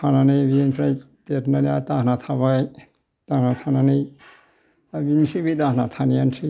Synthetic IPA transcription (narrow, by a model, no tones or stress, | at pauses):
ananɯjbinpʰɾaj | tetnanijatahnat̪ʰaβaj | tahnat̪ʰananɯj | abinsibidahnat̪ʰanijansi